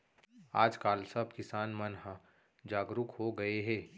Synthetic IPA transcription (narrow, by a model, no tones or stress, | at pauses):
aːd͡ʒkaːlsɐbkɪsaːnmɐnɦ | d͡ʒaːɡɾʊkhoɡɐeɦɛː